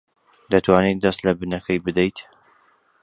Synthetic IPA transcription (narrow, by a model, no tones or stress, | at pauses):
d̪ɐt̪waːnet̪̚d̪ɐst̪lɐbɨnɐkʰɐjbɨd̪ejt̪